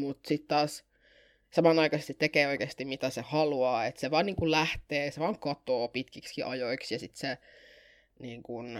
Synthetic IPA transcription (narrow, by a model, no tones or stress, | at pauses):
mut̪sit̪t̪ɑːs | sɑmɑnɑikɑsest̪it̪ːekeːoikeːst̪imit̪æsehɑluɑːet̪seʋɑːniːŋkullæht̪eːseʋɑːŋkɑt̪oːpit̪kikskiʔɑjoiksjɑsit̪se | niːŋkun